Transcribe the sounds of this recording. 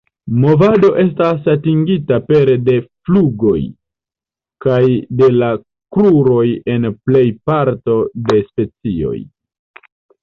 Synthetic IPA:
mo̞vado̞ʔe̞stasatiŋɡitape̞ɾde̞fluɡo̞j | kajde̞la | kɾuɾo̞je̞nple̞jpaɾto̞de̞spe̞t͡sio̞̰j

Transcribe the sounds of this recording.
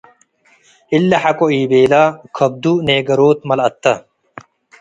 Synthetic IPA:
ilːɐħɐkoiːbeːlaːkʰɐb̚d̪uneːɡɐɾoːt̪mɐlɐt̪ːɐ

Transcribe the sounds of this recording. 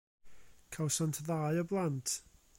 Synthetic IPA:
kʰawsantʰðajəblˠantʰ

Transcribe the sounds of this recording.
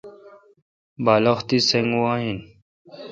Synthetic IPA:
baːlɐxt̪iseŋɡuaɦin

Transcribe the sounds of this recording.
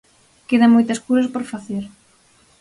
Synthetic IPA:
keðɐmojt̪ɐskuɾɐspoɾfaθeɾ

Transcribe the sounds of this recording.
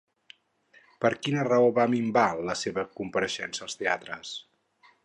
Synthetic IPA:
pəɾkinərəoβamimbaləseβəkumpəɾəʃɛnsəːlˠst̪eat̪ɾəs

